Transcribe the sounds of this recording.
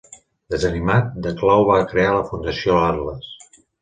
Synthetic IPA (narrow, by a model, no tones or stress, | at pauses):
d̪əzənimat̪̚d̪əklawβ̞akɾealəfund̪əsioaɾləs